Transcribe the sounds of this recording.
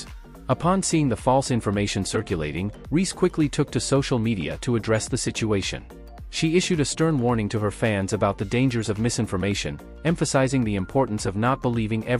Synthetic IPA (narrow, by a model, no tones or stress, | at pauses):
əpʰɑ̃nsiɪ̃ŋðəfɔlˠsɪ̃ɱfə˞meɪʃɨ̃nsɜ˞kjɨleɪɾɪ̰̃ŋ | ɹiskʰw̥ɪkʰlitʰʊk̚tʰɨsoʊʃl̩ˠmiɾiɨ̰ɾɨɨdɹɛsðɨsɪt͡ʃʉeɪʃɨ̰̃n | ʃiɪʃʉɾɨstɜ̃˞nwɔɹnɪ̃ŋtʰɨə˞fæ̃nzɨbaʊt̪̚ðɨdẽɪ̃nd͡ʒə˞zʌvmɪsɪ̃ɱfə˞meɪʃɨ̰̃n | ɛ̃ɱfɨsaɪzɪ̃ŋðiɨ̃mpʰɔɹʔn̩sʌvnət̚b̥əlivɪ̃ŋʔɛ